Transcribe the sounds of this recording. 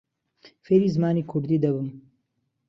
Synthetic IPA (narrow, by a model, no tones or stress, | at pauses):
feːɾiːzɨmaːniːkʰʊɾd̪iːd̪ɐbɨm